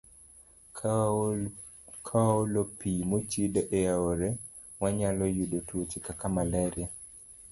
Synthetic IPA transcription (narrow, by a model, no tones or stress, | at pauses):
kʰawaolopimot͡ʃidɔʔɛaoɾɛ | waɲalɔjudotuot͡ʃikakamalaɾia